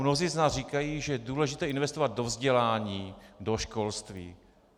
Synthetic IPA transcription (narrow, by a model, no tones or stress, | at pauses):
mnoziːznaːsriːkajiːʒɛjɛduːlɛʒɪt̪ɛːɪnvɛst̪ovad̪̚do̞vzɟɛlaːɲiːdoʃkolst̪vḭː